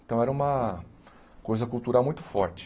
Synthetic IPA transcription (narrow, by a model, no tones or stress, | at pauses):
t̪ɐ̃w̃ɛɾɐũmɐ | kojzɐkuwt̪uɾawmũj̃t̪ʊ̥fɔɾt͡ʃɪ̥